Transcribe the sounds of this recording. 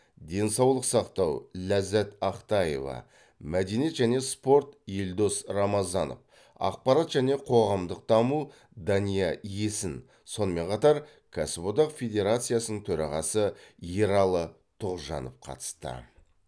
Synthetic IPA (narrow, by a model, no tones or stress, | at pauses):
d̪e̞nsɑwlˠəqsɑqt̪ɑwlæzæt̪ɑqt̪ɑje̞̰vɑ̰ | mæd̪e̞niet̪ʒæne̞spo̞ɾt̪jeld̪o̞srɑmɑzɑno̰f | ɑ̰q̚pɑɾɑt̪ʒ̥æne̞qʰo̞ʁɑmd̪əq̚d̪̥ɑmu | d̪ɑnijɑjesɪn | so̞nəme̞ɴqʰɑt̪ɑɾ | kʰasbod̪ɑqfʲe̞d̪ʲe̞ɾat̪sɨjasənəɴt̪ʰɵɾɑʁɑsəeɾɑlˠə | t̪ʰoʁʒɑ̰nofqʰɑ̰t̪ə̥st̪ə̰